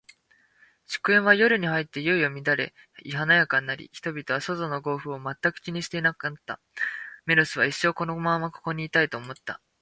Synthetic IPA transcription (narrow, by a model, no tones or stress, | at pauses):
ɕi̥kɯ̟ẽ̞ɰ̃βajo̞ɾɯ̟ɲ̟ihait̪ːe̞jɯiomʲid̪aɾe̞̰ | iɦanajakãnːaɾʲḭçi̥t̪o̞bʲit̪o̞βaso̞zo̞no̞ɡo̞ːɸɯ̟o̞mat̪ːakɯ̟̥kʲiɲ̟iɕi̥t̪e̞inaknat̪ːa̰ | me̞ɾɯsɨβaiɕːo̞ːko̞no̞mãmːako̞̥ko̞ɲ̟iːt̪ait̪o̞ːmo̞t̪ːa̰